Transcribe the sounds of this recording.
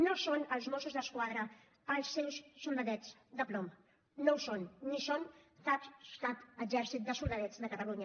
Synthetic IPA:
nosonəlˠzmosuzðəskwaðɾəː | lˠsːɛwsːulˠd̪əðɛd͡zd̪əplom | nowsonːisont̪at̪st̪at̪əd͡ʒɛɾsit̪̚d̪əsulˠd̪əðɛd͡zd̪əkət̪əluɲə

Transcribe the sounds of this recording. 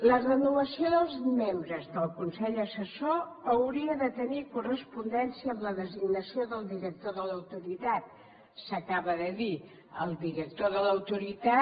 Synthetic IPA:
lərənuβəsioðəlˠzmembɾəzðəlˠkunsɛʎəsəsoəwɾiəðət̪ənikurəspund̪ɛnsiəːmləðəziɡnəsioðəlˠd̪iɾək̚t̪oðələwt̪uɾit̪at̪̚ | səkaβəðəði | ə̰lˠd̪iɾək̚t̪oðələwt̪uɾit̪a

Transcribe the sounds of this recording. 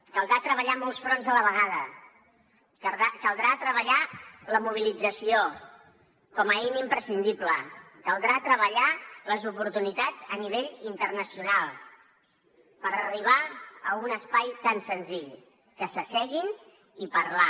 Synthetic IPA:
kəlˠd̪ɾat̪ɾəβəʎamɔlˠsfɾonzðələβ̞əɣ̞að̞ə | akəlˠd̪ɾat̪ɾəβəʎaləmuβ̞ilid͡zəsio | kɔməɛnimpɾəsind̪iplə | kəlˠd̪ɾat̪ɾəβəʎaləzupuɾt̪unit̪ad͡zəniβ̞eʎint̪ərnəsiunalˠ | pəɾəriβ̞aəunəspajt̪ansənziʎ | kəsəsɛɣin | ipəɾla

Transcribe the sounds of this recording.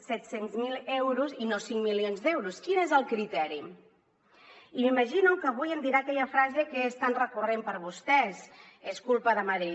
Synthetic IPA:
sɛt̪senzmilˠewɾuzinosiŋmilionzd̪ɛwɾuskinezəlˠkɾit̪ɛɾi | imiməʒinukəβujənd̪iɾaːkɛʎəfɾazekeest̪anrəkurempəɾβ̞ust̪ɛz | eskulˠpəðəməɾe

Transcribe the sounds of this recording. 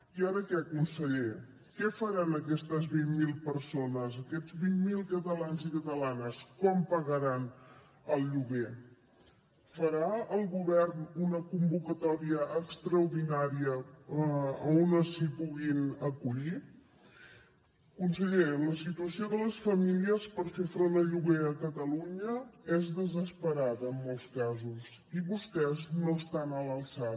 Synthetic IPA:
iaɾəkɛəkunsəʎe | kɛfəɾanəkɛst̪əzβimmilˠpəɾsonəzəkɛd͡zβimːilˠkət̪əlanzikət̪əlanəskɔmpəɣəɾan | əlˠʎuɣe | fəɾaəlˠɣuβɛrnunəkumbukət̪ɔɾiəʔːkst̪ɾəwɾðinaɾiə | əonəsipuɣinəkuʎi | əkunsəʎeɾələsit̪uəsioðələsfəmiliəspəɾfefɾond̪əʎuɣeəkət̪əluɲəɛzðəzəspəɾaðəːmːolˠskazuziβust̪ɛznoəst̪anələlsa

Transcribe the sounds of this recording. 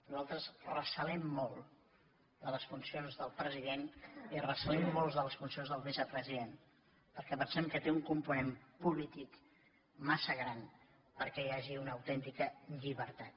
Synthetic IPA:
nuzalˠt̪ɾəzrəsəlɛmːɔlˠ | d̪ələsfunsionzðəlˠpɾəziðenirəsəlɛmːolˠzðələsfunsionzðəlˠβizəpɾəziðen | pəɾkɛpənsɛmkət̪euŋkumpunempulit̪ik | masəɣ̞ɾan | pəɾkɛjaʒiunəːwt̪ɛnt̪ikəʎiβəɾt̪at̪̚

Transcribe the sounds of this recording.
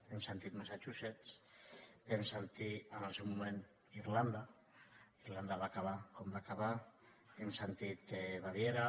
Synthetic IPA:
emsent̪it̪masat͡ʃuset͡s | emsent̪ianalˠsewmumẽn | iɾland̪a | iɾland̪aβakaβakombakaβa | emsent̪it̪eβaβjeɾa

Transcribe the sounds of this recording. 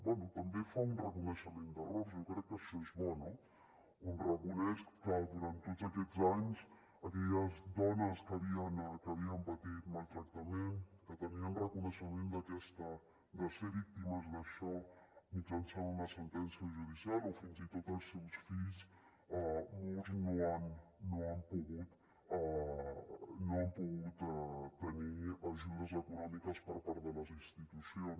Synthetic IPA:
bwɛnut̪ɐmbefaunrəkunəʃəmẽnd̪ərɔzewkɾɛkːəʃɔezβɔno | unrəkunɛskkəd̪uɾant̪ːot̪zɐkɛzaɲs | ɐkɛjəzd̪ɔnəskɐβiɐnkɐβiɐmpɐt̪it̪malˠt̪ɾɐk̚t̪ɐmẽnkət̪əniaunrəkunəʃəmẽnd̪ɐkɛst̪ə | d̪əseɾik̚t̪imɐzðəʃɔmind͡ʒalsaunəsənt̪ɛnsiaʒuðisialofinzit̪ot̪əlˠsewsfiz | moltnoanːoampuɣut̪ | noəmpuɣut̪t̪ːəniəʒud̪əzəkunɔmikəspəɾpaɾt̪ələzinst̪it̪usions

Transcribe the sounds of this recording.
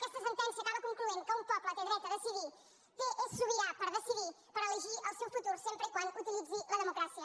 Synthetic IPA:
kɛʃt̪ɐvɐ̃nt̪ɐ̃nsiɐkaβɐkõŋklˠuẽnd̪̚kɐ̃ũpɔpɾˠɐ̃t̪ɛ̃ðiɾɛt̪ɐðɐsiði | kɨʔesuβiɾapɐɾðɐsiðe | pɐɾɐlˠiʒiɾawsewfut̪uɾusẽmpɾẽkwɐ̃nd̪uut̪ilˠiðuðiʁɐðmukɾasiɐ

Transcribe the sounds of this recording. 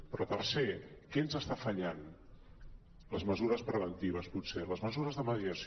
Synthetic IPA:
pɾɔt̪ərsekɛnzəst̪afəʎan | ləzməzuɾəspɾəβənt̪iβ̞əsput̪seləzməzuɾəzðəməðiəs

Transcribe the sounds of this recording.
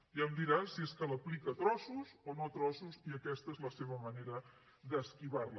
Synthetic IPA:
jəmd̪iɾasieskələplikət̪ɾɔsuzonot̪ɾɔsuziəkɛst̪əezləseβ̞əməneɾə | ðəskiβarlə

